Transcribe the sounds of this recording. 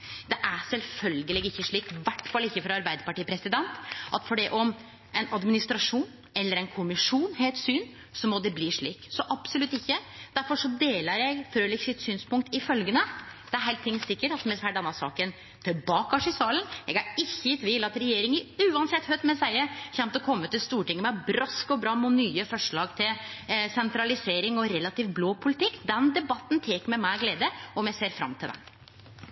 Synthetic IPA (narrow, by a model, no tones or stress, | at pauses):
d̪ɛʔæsɛlfœlɡəlɪɡɪçːəʂɭiːkʋæʈfɑlːɪçːəfɾɑɑɾbæɪd̪əpɑʈiːpʰɾɛsɪd̪ɛnt̪ʔɑt̪fɔɖɛʔɔm | ɛnɑd̪mɪnɪst̪ɾɑʂuːn | ɛlːəɾɛnkʰʊmɪʂuːnɦeːlt̪syːn | sɔmɔd̪ɛbliːʂɭiːksɔʔɑbsʊlʉt̪ːɪçːəd̪̥æɾfɔʂɔd̪eːləɾjæɪɡfɾøːlɪɡsɪt̪syːnspʊŋk̚t̪ɪfœlɡənəd̪̥ɛæɾɦæɪt̪ʰːɪŋsɪkːəʈɑt̪mɛfæɖ̪dɛnːɑsɑ̰ːkən | t̪ʰɪlbɑːkɑʂɪsɑːlənɛ̰ɡɑɾɪçːəjɪt̪ʋɪlɑt̪ɾɛjeːɾɪŋəʉːɑnsɛt̪hœt̪mɛsæɪəçɛnt̪ɔkʰɔmːət̪ɪlst̪uːʈɪŋːəmɛbɾɔskɔbɾɑːmʊnyːəfɔʂɭɑːɡt̪ʰɪlsɛnt̪ɾɑlɪseːɾɪŋɔɾɛlːɑt̪iːʋbloːpʰʊlɪt̪ɪkːd̪ɛnd̪ɛbɑt̪ːnt̪ʰeːkəmɛmæɪɡleːd̪əɔmjæɪseːɾfɾɑ̰mt̪ʰɪld̪ɛ̰m